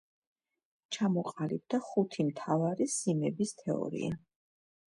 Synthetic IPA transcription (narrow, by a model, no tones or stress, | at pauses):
t͡ʃʰamɔqʼalib̚d̪aχut̪ʰimt̪ʰavaɾisimɛbist̪ʰɛɔ̰ɾḭa